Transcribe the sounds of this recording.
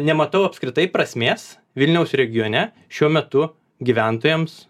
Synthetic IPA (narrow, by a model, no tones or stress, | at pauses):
nʲɛmɐt̪ɐʊɐpskɾʲɪt̪ɐɪpɾɐsʲmʲeːs | ʋʲɪlʲnʲɛʊsɾʲɛɡʲɪjoːnʲɛ | ʃʲuɔmʲɛt̪ʊ | ɡʲiʋʲæˑnt̪oːjɛms